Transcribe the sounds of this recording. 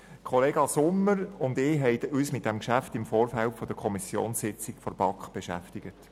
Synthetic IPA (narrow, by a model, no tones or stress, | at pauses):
kʰχɔleːɡɑsʊmːəɾʊnd̪ɪːɦɛɪdyːsmɪt̚d̥ɛmkʃæftɪmfoːrfælpfɔd̥̪əɾkʰɔmisjo̰ːnsɪt͡sɪkfɔɾb̥ɑkχb̥eʃæ̰ftɪɡ̥ət